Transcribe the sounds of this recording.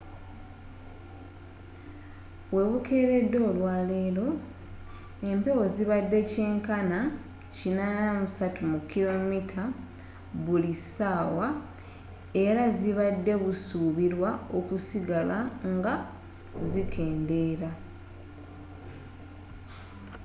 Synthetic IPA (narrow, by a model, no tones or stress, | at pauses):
βwe̞βukʰe̞ːɾe̞dːo̞ːlwaːle̞ːlo̞ | e̞mpe̞wo̞ziβadːe̞ce̞ːŋkana | cinanamusatumukːilo̞mitʰa | βulisaːwa | e̞ɾaziβadːe̞βusuːβiɾwao̞kusiɡalaŋɡa | zikʰe̞ːnde̞ːɾa